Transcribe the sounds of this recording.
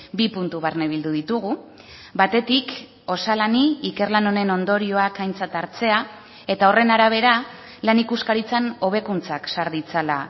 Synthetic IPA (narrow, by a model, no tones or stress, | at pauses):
bipunt̪uβaɾneβ̞ild̪uðit̪uɣ̞u | bat̪e̞t̪ik | o̞salaniːke̞rlano̞ne̞no̞nd̪o̞ɾio̞akajnt͡sat̪aɾt͡se̞a | e̞t̪ao̞re̞naɾaβ̞e̞ɾa | lanikuskaɾit͡sano̞β̞e̞kunt͡saksaɾðit͡sala